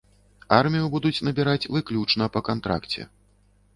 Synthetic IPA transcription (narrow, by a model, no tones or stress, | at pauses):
armʲijubud̪ut͡sʲnɐbʲiɾat͡sʲvɨklʲut͡ʂnɐpɐkant̪ɾa̰kt͡sʲɛ̰